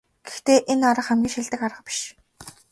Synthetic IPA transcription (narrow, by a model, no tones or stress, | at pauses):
ɡ̥e̥xt̪eːʔenaɾə̆χæmɡʲiːŋʃiɮt̪ɘ̆kaɾə̆χpi̥ʃ